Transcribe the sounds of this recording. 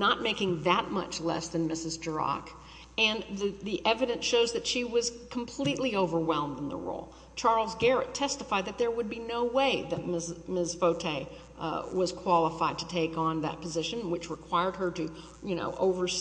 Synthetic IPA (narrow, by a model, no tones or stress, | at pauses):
nət̚meɪkɪ̃ŋðɨt̚mʌ̰t͡ʃlɛ̰sðɨ̃nmɪsɨzd͡ʒə˞ɑ̰k | ɨ̃nððiʔɛvɨɾɨ̃nsʃoʊzðɨtʃiwʌz̥kʰm̩pʰl̥iʔˡlioʊvə˞wɛ̃lˠmdə̃n̩ðə̰ɹo̰ʊlˠ | t͡ʃʰɑɹl̩ˠzɡɛɹɨtʰɛstəfaɪd̪̚ðɨt̪̚ðə˞wəd̚binoʊweɪðɨt̚mɪsmɪzfoʊtʰeɪ | wʌz̥kʰw̥ɑlˠəfaɪd̚tʰɨtʰeɪkn̩ðɨ̰t̚pʰəzɪʃɨ̃nwɨt͡ʃɹəkʰw̥aɪə˞d̚ə˞ɾɨ | jɨno̰ʊʔoʊvə˞s